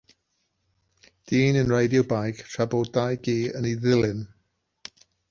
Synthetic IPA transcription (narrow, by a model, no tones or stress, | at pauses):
d̥iːnənrejdjɔwbajkʰtʰrabɔlˠdajɡiːəniðɪlˠɨn